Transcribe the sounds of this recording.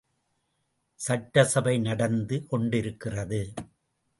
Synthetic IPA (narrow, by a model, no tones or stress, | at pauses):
sɐʈːɐsɐbɐɪnɐɽɐnd̪ɯkɔɳɖɪɾɯkːɪrɐðɯ